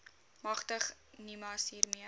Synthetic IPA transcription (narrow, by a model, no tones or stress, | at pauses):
mɐχtəχ | nimɐsɦiːrmiə